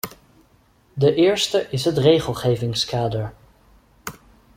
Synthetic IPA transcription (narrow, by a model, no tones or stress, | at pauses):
dəʔɪːɹstəʔɪsɦətrejχəlˠχejvɪŋskaːdəɹ